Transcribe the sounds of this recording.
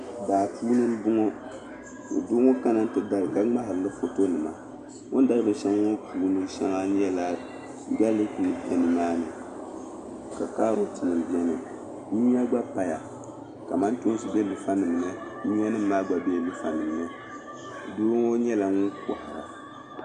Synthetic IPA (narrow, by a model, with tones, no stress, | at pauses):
baː˨puː˦nɨ˦m˦bʊ˦ŋɔ̰˦˨ | dʊ˦ŋɔ˦ka˦na˦n̩˦tɨ˨ɡa˦lɨ˨ɡa˦ŋ͡ma˦ɦa˨ɾɨ˨lɨ˦fo˨to˦nɨ˨ma̰˨ | ŋʊ˦nda˦ɾɨ˦bɨ˨ʃɛ˦ŋ˦ŋɔ˦puː˨˦nɨ˦m˦ʃɛ˦ŋa˦ɲɛ˦la˦ | ɡa˦lɨ˦ku˨pɛ˨nɨ˨maː˦nɨ˨ | ka˨kaː˦ɾo˨tɨ˨nɨ˨m˨bi˦ɛ˦nɨ˨ | ɲi˦a˦ɡ͡ba˦pa˨ja˨ | ka˨ma˦nto˦n˦sɨ˨bɛ˦lɨ˨fa˦nɨ˨m˨nɨ˦ | ni˦a˦nɨ˦m̩ː˦aː˦ɡ͡ba˨be˦˨lɨ˦fa˨nɨ˨m˨nɨ˦ | doː˦ŋɔ˦ɲɛ˦la˨ŋʊ˦ŋko˨ha˨ɾa̰˨